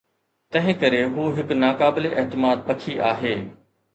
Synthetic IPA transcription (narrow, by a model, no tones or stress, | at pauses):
t̪ɐ̃ɦɪ̃kɐɾeɦuːɦɪknaːkaːbɪleʔɛɦt̪ɪmaːd̪̚pɐkʰiʔaːɦeː